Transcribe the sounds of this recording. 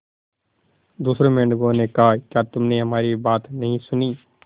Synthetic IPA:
d̪uːsɾõːmẽɳɖɡõːnekakjaːt̪ʊmneɦɐmaːɾibaːt̪nəɦĩsʊniː

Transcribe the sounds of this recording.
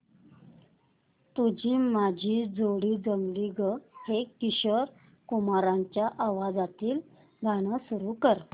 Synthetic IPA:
t̪ud͡ʑiːmad͡ʑʱiːd͡zoɽiːd͡zəŋɡliɡəhekiɕəɾ | kumaɾãɲt͡ɕjaʔaʋad͡zat̪iːl | ɡʱaɽ̃əsuɾukəɾ

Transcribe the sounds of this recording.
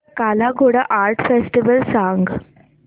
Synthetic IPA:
kalaɡʱoɽaʔaɾʈfesʈiʋəlsãŋɡ

